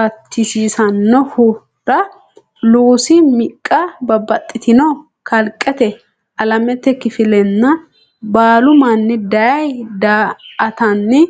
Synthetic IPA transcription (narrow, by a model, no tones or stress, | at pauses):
ɐt̪ʰːɪsiːsɐnːɔhʊ | ɾɐ | luːsɪmɪkʼːɐbɐbɐt̪ʼːɪt̪ɪnɔ | kɐlkʼːɛt̪ɛ | ʔɐlɐmɛt̪ːɛkɪfɪlɛnːɐ | baːlʊmɐnːɛd̪ɐjɐjd̪aːɐt̪ɐnːɛ